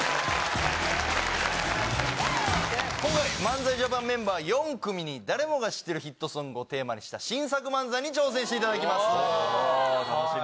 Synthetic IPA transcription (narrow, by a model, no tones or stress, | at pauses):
kõŋkaimãnd͡zaiʑobãmːẽ̞mbaːjõ̞ŋkɯ̟mʲiɲ̟id̪aɾe̞mo̞ɡaɕi̥t̪ːe̞ɾɯ̟çit̪ːo̞sɨ̃ŋɡoːt̪e̞ːma̰ɲiɕi̥t̪aɕĩɰ̃sakɯ̟mãnd͡zaiɲ̟it͡ɕo̞ːs̬ẽ̞ɕit̪e̞it̪ad̪ak̬ʲimasɨ̥